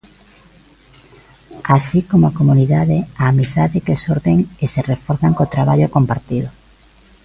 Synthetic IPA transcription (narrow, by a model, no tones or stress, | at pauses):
asikomoakomuniðaðeaːmiθaðekesoɾðeŋeserefoɾθaŋkot̪ɾaβaʎokompaɾt̪iðo